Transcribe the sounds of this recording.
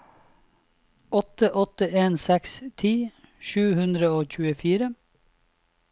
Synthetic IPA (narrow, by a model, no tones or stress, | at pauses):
ʔɔt̪əʔɔt̪əʔeːnsɛkst̪ʰiː | ʃʉːhʉnd̪ɾəoːc͡çʉːəfiːɾə